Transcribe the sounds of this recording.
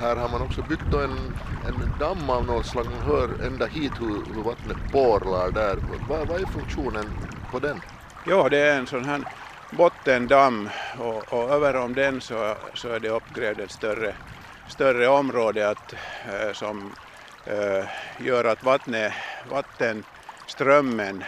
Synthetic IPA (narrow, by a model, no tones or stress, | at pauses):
hæːɾhaɾmanɔksɔbʏt̪̚d̪ɔɛnɛnd̪amːɑʋnoːnslɑːɡmanɦøːɾɛ̰nd̪ahiːt̪hɵɾhɵɾvat̪nəboːɾlaɖæːɾpʰɔ̰vɑvɑæɾfɵŋkʂuːnənpʰɔd̪ɛn | jɑːd̪ɛæɾɛnsɔnɦæːɳ | bɔt̪ːənd̪amːɔɔøːvəɾɔmd̪ɛnsɔsɔæɖɛɔpːɡɾeːvd̪ɛnst̪œrːə | st̪œrəɔmːɾoːd̪əat̪sɔm | jøːɾat̪vat̪nəvat̪ːən | st̪ɾœmːən